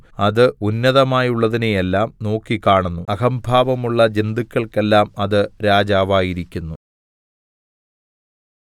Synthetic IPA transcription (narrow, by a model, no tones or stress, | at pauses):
ɐðɨunːɐðɐmaːjuɭːɐðineje̞lːaːmno̞ːkːikaːɳunːuɐɣɐmbʱaːʋɐmuɭːɐd͡ʑend̪ikʲːɐɭke̞lːaːmɐðɨɾaːd͡ʑaːʋaːjiɾikʲːunːu